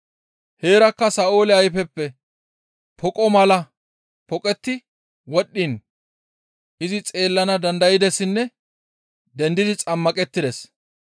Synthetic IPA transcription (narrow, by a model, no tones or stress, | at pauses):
he̞ːɾɐkːɐsɐːʔo̞ːlɛɐjfɛpːɛ | pʰɔkʼɔmɐlɐ | pɔkʼɛt̪ːɪ | wɔɗːɪn | ʔɪzɪt͡sʼe̞ːlːɐnɐd̪ɐnd̪ɐjɪd̪ɛsːɪnːɛ | d̪ɛnd̪ɪd̪ɪt͡sʼɐmːɐkʼɛt̪ːɪd̪ɛs